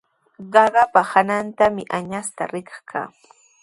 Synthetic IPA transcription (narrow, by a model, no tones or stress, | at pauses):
ɢɑɢɑpahanant̪amɪʔaɲast̪a̰ɾɪkɑ̥χkʰa̰ː